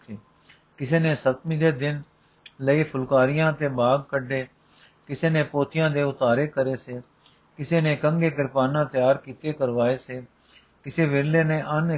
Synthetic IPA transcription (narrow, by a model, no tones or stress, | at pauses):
eː | kɪseːnẽːsət̪mĩːd̪eːd̪ɪn | ləiːpʰʊlkaːɾɪjãːt̪eːbaːɡkəɖeː | kɪseːnẽːpoːt̪ɪjãːd̪eːʊt̪aːɾeːkəɾeːseː | kɪseːnẽːkəŋɡeːkɪɾpaːnãːt̪ɪjaːɾkiːt̪eːkəɾʋaːeːseː | kɪseːʋeleːnẽːʔən